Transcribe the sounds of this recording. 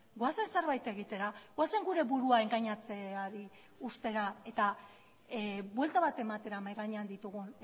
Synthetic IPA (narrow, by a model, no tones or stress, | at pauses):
ɡoase̞nse̞ɾβajt̪e̞ɣit̪e̞ɾaɣoase̞ŋɡuɾe̞βuɾuae̞ŋɡaɲat͡se̞aɾi | ust̪e̞ɾae̞t̪a | bwe̞lt̪aβat̪e̞mat̪e̞ɾamajɣaɲeand̪it̪uɣ̞un